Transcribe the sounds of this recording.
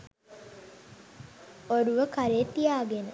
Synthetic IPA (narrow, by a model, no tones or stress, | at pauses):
oɾuʋəkaɾeːt̪ːijaːɡenə